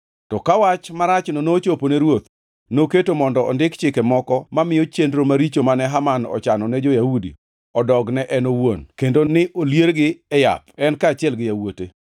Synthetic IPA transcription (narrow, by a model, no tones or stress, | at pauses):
tɔkawat͡ʃmaɾat͡ʃnonoːt͡ʃoponeɾwot̪ | noketomɔndɔɔ̰ndɪkt͡ʃɪkɛmɔkɔmamɪjot͡ʃendɾomaɾit͡ʃomanɛɦamanɔ̰t͡ʃanɔnɛd͡ʒojahudḭ | ɔdɔɡnɛʔɛnowonkendonɪʔoljeɾɡɪɛja̰pɛnkaːt͡ʃɪɛlɡɪjawote